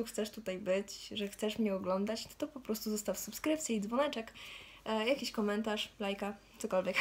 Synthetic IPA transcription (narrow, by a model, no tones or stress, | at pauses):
uxt̪sɛʂt̪ut̪ajbɘt͡ɕʐɛxt̪sɛʂmɲɛɔɡlɔnd̪at͡ɕnɔt̪ɔpɔpɾɔst̪uzɔst̪afsupskɾɘp̚t̪ʲjiid̪zvɔnɛt͡ʂɛk | jakʲiɕkɔmɛnt̪aʂlajkakt̪sɔkɔlvʲɛk